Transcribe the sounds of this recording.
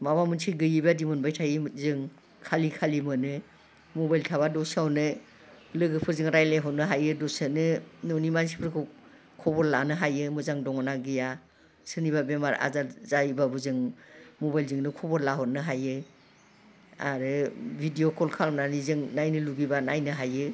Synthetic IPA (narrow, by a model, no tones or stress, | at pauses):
mabamɯnsiɡɯjibadimɔnbajtʰajzɯŋ | kʰalikʰalimɯnɯ | mɔbajltʰaβadɔsawnɯ | lɯɡɯpʰɯɾzɯŋɾajlaɦɔnɯɦajɯdɔsɯnɯnɔwnimans̬i̥pʰɯɾkʰɯ | kʰɔbɔɾlanɯɦajɯmɯzaŋdɔŋɔnaɡija | sɯniβabemaɾa̰zazajbabɯzɯŋmɔbajlzɯŋnɯkʰɔbɔɾlaɦɔnɯɦajɯ | a̰ɾɯbʱidiokʰɔlkʰalmnanizɯŋnajnɯluɡibanajnɯɦajɯ